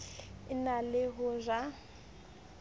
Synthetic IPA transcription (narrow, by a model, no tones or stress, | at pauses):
ɪnalɪɦʊzʷa